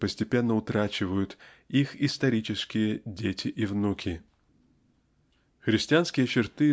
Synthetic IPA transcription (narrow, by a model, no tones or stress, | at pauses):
pəsʲtʲɪpʲe̞nːəʊt̪ɾat͡ɕɪvəjʊt̪ | ixɪst̪ɐɾʲit͡ɕɪskʲɪjədʲetʲɪʔivnukʲɪ | xɾʲɪsʲtʲɪanskʲɪjət͡ɕɪrt̪ɨ